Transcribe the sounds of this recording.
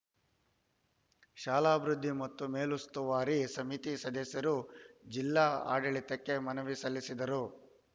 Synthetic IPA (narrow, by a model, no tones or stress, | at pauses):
ʃaːlaːbɾud̪ʱːimɐt̪ːumeːlust̪uʋaːɾisɐmit̪isɐd̪ɐsjɐɾud͡ʒilːaa̰ːɖɐɭit̪ɐkːe̞mɐnɐʋisɐlːisid̪ɐɾu